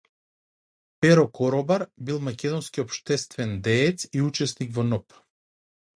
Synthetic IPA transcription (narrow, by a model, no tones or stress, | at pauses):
pɛɾɔkɔɾɔbaɾbilˠmakʲɛd̪ɔnskʲiɔpʃt̪ɛst̪vɛnd̪ɛːt̪siut͡ʃɛsnikvɔnɔp